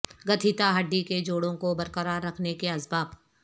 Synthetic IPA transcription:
ɡɐt̪ʰit̪aɦɐɖːiked͡ʒoːɽõkobɐɾkəɾaːɾːɐkʰnekeɐsbaːb

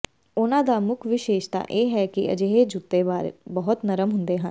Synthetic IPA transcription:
ʊnãd̪amʊkʰʋɪʃeːʃt̪ã̰ʔeːɦɛkḭʔə̰d͡ʒeːɦed͡ʒʊt̪ːebaːɾ̰bəɦʊt̪nəɾəmɦʊ̃nd̪eːɦə̃n

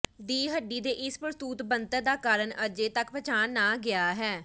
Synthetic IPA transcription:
d̪iːɦəɖːiːd̪eːʔɪspɾəst̪uːt̪bənt̪əd̪aːkaːɾəɳəd͡ʒeːt̪əkpət͡ʃaːnːaːɡɪaːɦɛː

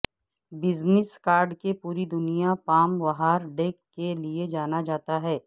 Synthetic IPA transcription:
bɪznɪskaːɾɖkepuːɾid̪ʊnijapaːmʋɐɦaːɾɖeːkːelied͡ʒaːnad͡ʒaːt̪aɦɛː

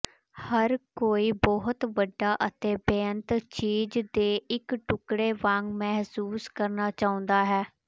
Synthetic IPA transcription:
həɾkoːiːbɔːɦʊt̪ʋəɖːaːʔət̪eːbeːənt̪t͡ʃiːd͡ʒd̪eːɪkʈʊkɽeːʋãŋɡmɛɦsuːskəɾnaːt͡ʃaːʊ̃nd̪aːɦɛː

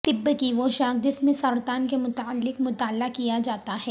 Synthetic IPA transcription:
t̪ɪbːkiʋoːʃãːk̚d͡ʒɪsmẽsɐɾt̪aːnkemʊt̪aːəlːɪkmʊt̪aːlːakijad͡ʒaːt̪aɦɛː

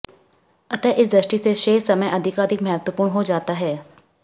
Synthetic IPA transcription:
ət̪ɛːʔɪs̬d̪ɾəʃʈiseʃeːsəməjʔəd̪ʱɪkaːd̪ɪk̚məɦɛt̪wəpʊɾɳɦoːd͡ʒaːt̪aːɦɛː

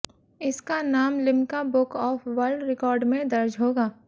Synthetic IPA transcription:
ɪskanaːmlɪ̃mkabʊkɔːfʋɐɾɖɾɪkɔːɾɖmẽd̪ɐɾd͡ʒɦoːɡaː

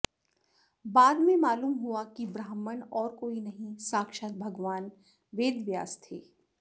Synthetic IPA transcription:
baːd̪mẽmaːluːmɦuakibɾaːməɳɔːɾkoːinɐɦĩsaːkʃət̪̚bʱɐɡʋaːn | ʋeːd̪ʋja̰ːst̪ʰḛː

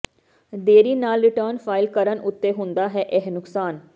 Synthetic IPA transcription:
d̪eːɾiːnaːlɾɪʈəːnpʰaːɪlkəɾənʊt̪ːeːɦʊ̃nd̪aːɦɛːʔɛɦnʊksaːn

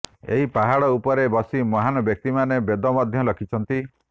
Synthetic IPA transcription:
ḛɦipaɦaɽɔupɔɾebɔsimɔɦanɔbjɔk̚t̪imanebed̪ɔmɔd̪ʱjɔlɔkʰit͡ʃʰɔnt̪i

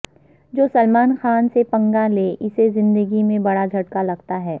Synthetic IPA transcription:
d͡ʒoːsɐlmaːnxaːnsepɐ̃ŋɡãleːʔɪsezɪ̃nd̪əɡimẽbɐɽad͡ʒʱɐʈkalɐɡt̪aɦɛː

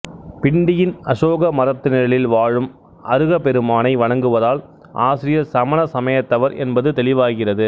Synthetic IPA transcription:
pɪɳɖɪjɪnɐʂoːɣɐmɐɾɐt̪ːɪnɪɾɐɭɪlʋaːɻɯm | ʔɐɾɯɣɐpɛɾɯmaːnɐɪʋɐɳɐŋɡɯʋɐðaːl | ʔa̰ːsɪɾɪjɐsɐmɐnɐsɐmɐjɐt̪ːɐʋɐɾʔɛ̰nbɐðɯt̪ɛɭɪʋaːɣɪrɐðɯ

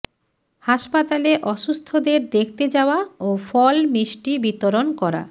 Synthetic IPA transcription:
haʃpat̪aleʔɔʃust̪ʰod̪eɾd̪ekʰt̪ed͡ʑaoaofɔlmiʃʈibit̪oɾonkɔɾa̰

